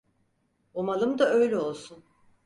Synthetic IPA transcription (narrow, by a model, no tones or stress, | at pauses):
omalˠɯmd̪aø̞jlʲɛo̞lˠsun